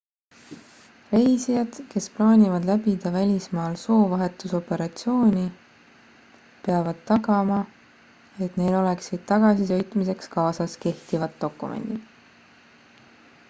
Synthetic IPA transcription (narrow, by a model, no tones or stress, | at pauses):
re̞jsijɑd̪̥ke̞splɑːnʲivɑd̪læbid̪ɑvælʲismɑːlso̞ːvɑɦe̞t̪ːˑuso̞pe̞ɾɑt̪sio̞ːnʲi | peɑvɑd̪̥̚t̪ːɑɡɑmɑ | e̞t̪ne̞jlo̞le̞ksid̪̥̚t̪ɑɡ̥ɑsisø̞jt̪mise̞kskɑːsɑske̞ht̪ivɑt̪ːo̞kˑːumḛnd̪̥il